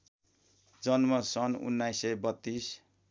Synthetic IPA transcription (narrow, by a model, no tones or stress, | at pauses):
d͡zʌnmʌsʌnṵnːajsʌjbʌt̪ːis